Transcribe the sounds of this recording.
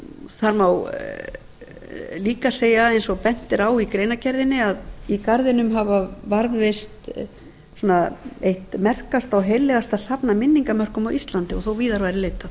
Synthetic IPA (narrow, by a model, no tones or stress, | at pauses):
θaɾmaw | liːkaseːjaejnsɔɣpɛn̥t̪ɪɾaːwikɾeːjnacʰɛɾðɪnːɪaðikaɾðɪnʏmɦavavaɾðvejst̪ | sɔnaejht̪mɛr̥kast̪awɦejlːɛɣast̪aðsapnamɪnːiŋkamœr̥kʏmawʔist̪lant̪ɪɔɣθowviːðaɾvajɾɪleːjt̪aθ